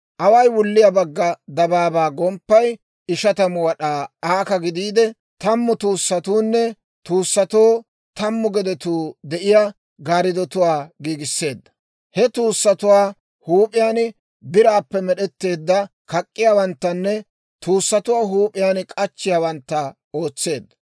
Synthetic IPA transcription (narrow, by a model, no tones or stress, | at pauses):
ʔɐwɐjwʊlːɪjɐbɐɡːɐd̪ɐbaːbaːɡɔmpːɐj | ɪʃɐt̪ɐmʊwɐɗaːaːkɐɡɪd̪iːd̪ɛ | t̪ɐmːʊt̪uːsːɐt̪uːnːɛ | t̪uːsːɐt̪oː | t̪ɐmːʊɡɛd̪ɛt̪uːd̪ɛʔɪja | ɡaːɾɪd̪ɔt̪ʊwaːɡiːɡɪsːe̞ːd̪ːɐ̥ | hɛt̪uːsːɐt̪ʊwaː | huːpʼɪjaːn | bɪɾaːpːɛmɛɗɛt̪ːe̞ːd̪ːɐ | kɐkʼːɪjaːwɐnt̪ːɐnːɛ | t̪uːsːɐt̪ʊwaːɦuːpʼɪjaːnkʼɐt͡ʃːɪjaːwɐnt̪ːɐ | o̞ːt͡sːe̞ːd̪ːɐ̥